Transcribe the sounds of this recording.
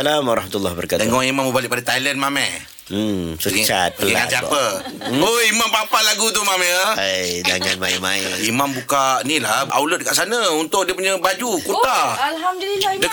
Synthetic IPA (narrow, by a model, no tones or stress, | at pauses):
salamwaɾɑhmat̪ulːɔhbəɾakat̪əŋɔŋimambəbalɪʔ̚padat̪ajlənmamɛ | sət͡ʃat̪̚pəld͡ʒaaŋãsiapəoimampapalaɡut̪umamjəd͡ʒaŋanmaimaiimambukaʔnilaa̰wlʊt̪̚d̚əkaʔsanəunt̪ʊk̚diəpuɲəbad͡ʒukut̪a | dək